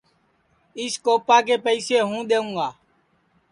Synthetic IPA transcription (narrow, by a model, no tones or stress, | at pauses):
ɪskoːpaːk̬eːpəiːseːɦũːɗ̪eːũːɡaː